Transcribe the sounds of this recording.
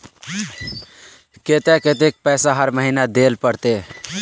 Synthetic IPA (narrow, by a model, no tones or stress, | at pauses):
ket̪eket̪ek̚pɛsaɦəɾməɦinad̪elpəɽt̪e